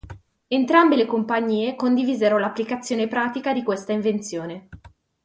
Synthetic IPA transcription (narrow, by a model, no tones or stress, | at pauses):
ent̪ɾambelekompaɲːiːekond̪iviːzeɾolapːlikat̪sːjoːnepɾaːt̪ikad̪ikwest̪aiɱvent̪sjoːne